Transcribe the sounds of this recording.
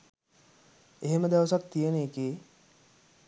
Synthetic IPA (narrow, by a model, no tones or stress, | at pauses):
eɦeməd̪aʋəsak̪t̪ijəneːkeː